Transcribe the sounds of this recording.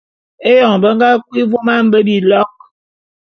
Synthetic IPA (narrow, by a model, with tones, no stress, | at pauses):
e˦jɔ˨ŋ˨bə˦ŋ˦ɡa˦kwi˦vo˦ma˦m̩˦bə˦bi˨lɔ˦k̚